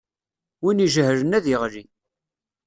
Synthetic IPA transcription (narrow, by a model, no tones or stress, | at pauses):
winiʒəhɾənæðiʁli